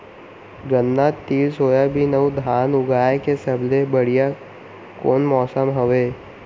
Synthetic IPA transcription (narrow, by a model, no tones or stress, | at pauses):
ɡə̃nːat̪ːiːlsoːjabʱinəwd̪ʱaːnʊɡaːjkesəblebəɽija | koːnmɔːsəmɦəʋeː